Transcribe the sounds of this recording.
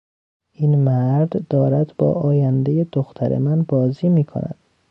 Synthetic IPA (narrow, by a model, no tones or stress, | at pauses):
iːnmæɾd̪ːɒːɾæd̪bɒ̰ːʔɒːjænd̪ejed̪oxt̪ʰæɾḛmænbɒːziːmiːkʰo̰næ̰d̪̥